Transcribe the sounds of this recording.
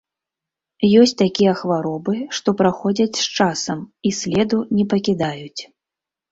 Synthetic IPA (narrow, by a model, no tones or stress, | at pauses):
jɔsʲt͡sʲt̪akʲijɐxvaɾɔbɨʂt̪ɔpɾaxɔd͡zʲɐt͡sʲst͡ʂasɐmisʲlʲɛd̪unʲɛpɐkʲid̪ajut͡sʲ